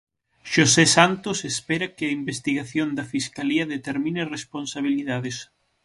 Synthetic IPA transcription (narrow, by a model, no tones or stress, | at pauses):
ʃosesant̪osespɛɾɐkɪɐimbest̪iɣaθjond̪ɐfiskaliɐðet̪eɾmĩneresponsaβ̞iliðaðes